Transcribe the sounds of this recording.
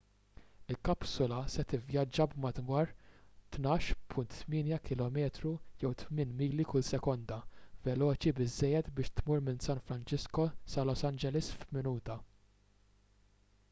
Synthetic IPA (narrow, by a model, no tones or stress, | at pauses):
ɪlkɐpsɔlɐsɛt̪ɪvjɐd͡ʒːɐbmɐd̪wɐːɾt̪nɐːʃpʰʊnt̪ːmɪːnjɐkɪlɔmɛːt̪ɾujɛwt̪mɪːnmiːlikʊlsɛkɔnd̪ɐvɛlɔːt͡ʃibɪzːɛjːɛt̪bɪːʃt̪muːɾmɪnsɐnfɾɐnt͡ʃɪskɔsɐlɔsɐnd͡ʒɛlɪsfmɪnuːt̪ɐ